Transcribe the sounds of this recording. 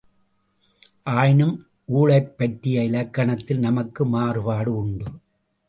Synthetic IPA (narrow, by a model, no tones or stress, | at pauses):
ʔaːjnɯm | ʔuːɭɐɪpːɐʈrɪjɐɪlɐkːɐɳɐt̪ːɪlnɐmɐkːɯmaːɾɯpaːɽɯʊɳɖɯ